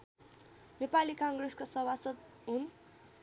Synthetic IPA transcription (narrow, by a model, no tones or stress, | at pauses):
nepalikaŋɡreskasʌwasʌt̪ | ɦun